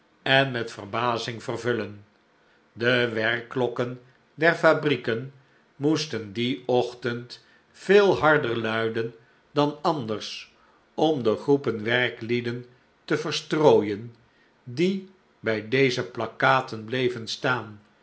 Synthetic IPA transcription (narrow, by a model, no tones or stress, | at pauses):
ɛnmɛtfərbaːzɪŋvərvɵlən | dəʋɛɹkːlɔkən | dɛrfabrikən | mustəndiɔχtənt | feːlˠɦɑɹdəɹlœɥdən | dɑnɑndərs | ɔmdəχrupənʋɛrklidən | təvərstroːjən | di | bɛjdejzəplɑkaːtənblejvənstaːn